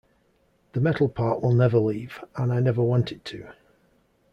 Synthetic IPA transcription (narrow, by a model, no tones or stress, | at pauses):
ðəmɛtˡl̩ˠpʰɑˑʔwɪlˠnɛvəliːv̥ə̃naɪnɛvəwɒ̃ntʰɪtʰə